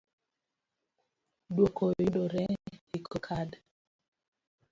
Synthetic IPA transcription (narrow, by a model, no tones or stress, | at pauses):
dwokʰojidoɾɛikʰɔkʰad